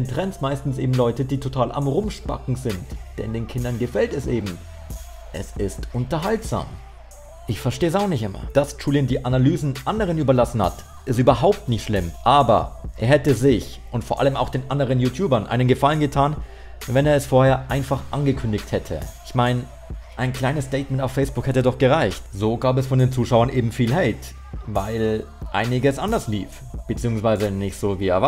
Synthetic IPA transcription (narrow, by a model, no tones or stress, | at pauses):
ɛntʁ̥ɛnsmaɪstn̩sʔḛːbm̩lɔʏtədiːtʰotʰaːlʔa̰mʁʊmʃpa̰kŋ̩zɪntd̥ɛ̰ndeːnkʰɪndɐnɡəfɛltɛsʔḛːbm̩ | ʔɛ̰sɪstʔʊntɐɦaltz̥a̰ːm | ʔɪçfɛɐʃteːzaʊxnɪçtʔɪmɐ̰d̥ast͡ʃuːlɪndiːʔanalyːzn̩ʔandəʁ̞ənyːbɐlasn̩ha̰t | ʔɪstyːbɐɦaʊp̚tnɪçtʃlɪmʔaːbɐ̰ʔeːɐhɛtəzɪç | ʔʊntfoːɐʔa̰ləmaʊxd̥eːnʔandəʁənjuːtʰjuːbɐnʔa̰ɪnənɡəfalənɡətʰaːn | vɛneːɐɛsfoːɐheːɐʔaɪnfaχʔanɡəkʰʏndɪçthɛtʰə̰ʔɪçmaɪn | ʔaɪnkʰl̥aɪnəstɛɪt̚mɛntaʊfːɛɪsb̥ʊkhɛtədɔχɡ̥əʁaɪçtz̥oːɡaːbɛsfɔndeːnt͡suːʃaʊɐnʔeːbm̩fiːlɦɛɪt | vaɪl | ʔa̰ɪnɪɡəsʔandɐslḭːf | b̥ət͡siːʊŋsv̥aɪzənɪçtz̥oːviːeːɐva